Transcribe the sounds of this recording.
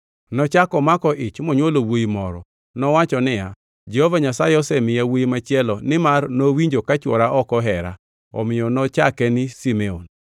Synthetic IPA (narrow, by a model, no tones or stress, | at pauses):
nɔt͡ʃakɔmakɔʔɪt͡ʃmɔɲwolowoimɔɾɔ̰ | nɔwat͡ʃɔnɪa | d͡ʒɛhovaɲasajɛɔsɛmɪjawoimat͡ʃjɛlɔnɪmarnowiɲd͡ʒokat͡ʃwɔɾaʔɔkɔɦɛɾa̰ | ɔ̰mɪjɔnɔt͡ʃakɛnɪsimeon